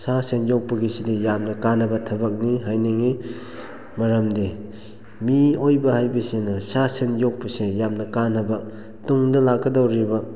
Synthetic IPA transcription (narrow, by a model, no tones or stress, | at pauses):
sasenjowk̚pɐɡisidijamnɐkanːɐbɐtʰɐbɐk̚niɦajneŋi | mɐɾɐmdi | miojbɐhajbɐsenɐsasenjok̚pɐsejamnɐkanːɐbɐ | tuŋdɐlakːɐdawɾibɐ